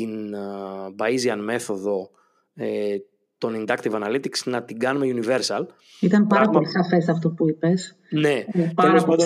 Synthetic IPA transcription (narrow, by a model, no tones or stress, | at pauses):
in | bɐiziɐnme̞θo̞ðo̞ | e | t̪o̞nind̪ɐkt̪ivɐnɐlit̪iksnɐt̪iɡɐnumeiunive̞ɾsɐl | it̪ɐmpɐɾɐplisɐfe̞sɐft̪opuipes | nepeloso